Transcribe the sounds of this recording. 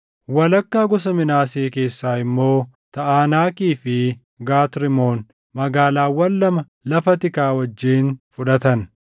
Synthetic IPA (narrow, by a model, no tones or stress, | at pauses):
wɐlɐkːaːɡɔsɐmɪnaːseːke̞ːsːaːɪmːo̞ː | t̪ɐʔaːnaːkʼiːfɪ | ɡaːt̪ɾɪmo̞ːn | mɐɡaːlaːwːɐlːɐmɐ | lɐfɐt̪ɪkaːwɐd͡ʒːiːnfʊᶑɐt̪ɐn